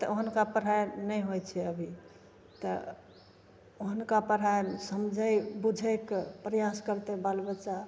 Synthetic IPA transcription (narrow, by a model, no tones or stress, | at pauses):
t̪əoɦənkapəɾ̤ɦajnəjɦojt͡ʃʰɛəbʱi | t̪ə | oɦənkapəɾaesəmd͡ʒʱəjbud͡ʒʱəkpɾəjaskəɾt̪ebalbət͡ʃa